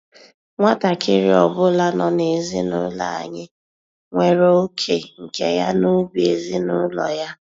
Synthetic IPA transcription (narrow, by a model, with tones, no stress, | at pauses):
ŋʷa˦ta˨kɪ˦ɾi˨ɔ˨bʊ˦la˦nɔ˨ne˨zi˦nʊ̰˦la̰˨a̰˨ɲɪ˦ | ŋʷe˨ɾo˦o˦kʰe˨ŋ̩˨ke˦ja˦no˦ɡʷi˨e˨zi˦nʊ˦lɔ̰˨ja˦